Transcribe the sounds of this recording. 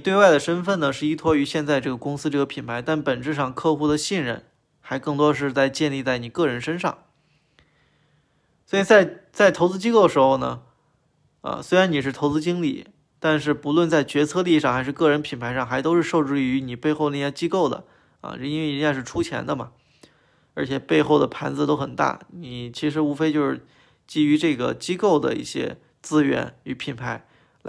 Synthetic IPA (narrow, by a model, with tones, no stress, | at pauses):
t̪we˥˧wa˥˩ɪd̪ə˩ʂə˥nfə˥˩nə˩ʂɻ̩˥˩i˥t̪ʰwɔ˥y˧˥ɕjɛ˥˧nt͡sa˥˧ɪʈ͡ʂɤ˥˩ɡə˩kʊ˥ŋsɹ̩˥ʈ͡ʂɤ˥˩ɡə˩pʰi˨˩npʰa˧˥ɪt̪a˥˩npə˨˩nʈ͡ʂɻ̩˥˧ʂɑ˥˧ŋkʰɤ˥˧xu˥˧d̪ə˨ɕi˥˧nɻə̰˥˩n | xa˧˥ɪkɤ˥˩ŋt̪wɔ˥ʂ̬ɻ̩˥˧t͡sa˥˧ɪt͡ɕjɛ˥˧nli˥˧t͡sa˥˩ɪni˨˩kɤ˥˩ɻə˧˥nʂə˥nʂɑ̰˥˩ŋ | swɔ˧˥i˨˩t͡sa˥˩ɪt͡sa˥˩ɪt̪ʰo˧˥ʊt͡sɹ̩˥t͡ɕi˥ko˥˩d̪ə˩ʂɻ̩˧˥xo˥˧ʊnə̰˩ | ə̰˧swe˥ɪɻa˧˥ni˨˩ʂɻ̩˥˩t̪ʰo˧˥ʊt͡sɹ̩˥t͡ɕi˥ŋlḭ˨˩ | t̪a˥˧nʂ̬ɻ̩˥˩pu˧˥lwə˥˧nt͡sa˥˩ɪt͡ɕɥɛ˧˥t͡sʰɤ˥˧li˥˧ʂɑ˥˩ŋxa˧˥ɪʂɻ̩˥˧kɤ˥˩ɻə˧˥npʰi˨˩npʰa˧˥ɪɑ˥˩ŋxa˧˥ɪt̪o˥ʊʂɻ̩˥˧ʂo˥˧ʊʈ͡ʂɻ̩˥˩˧y˧˥ni˨˩pe˥˧ɪxo˥˧ʊne˥˧˩ja˥˩t͡ɕi˥ko˥˩ʊd̪ə̰˩ | ɐ̰˧ɻi˥n˧˥e˥˩˧nja˥˧ʂɻ̩˥˧ʈ͡ʂʰu˥t͡ɕʰjɛ̰˧˥nd̪ə˧mɐ˩ | ə˞˧˥t͡ɕʰjɛ˨˩pe˥˧ɪxo˥˩ʊd̪ə˩pʰa˧˥nt͡sɹ̩˧t̪o˥ʊxə˨˩nt̪a̰˥˩ni˨˩t͡ɕʰi˧˥ʂ̬ɻ̩˧˥u˧˥fe˥ɪt͡ɕjo˥˧ʊʂɻ̩˥˩ | t͡ɕi˥y˧˥ʈ͡ʂɤ˥˩ɡə̰˩t͡ɕi˥ko˥˩ʊd̪ə̰˩ḭ˥˩ɕjɛ̰˥ | t͡sɹ̩˥ɥɛ̰˧˥ny˧˥pʰi˨˩npʰa˧˥ɪ | l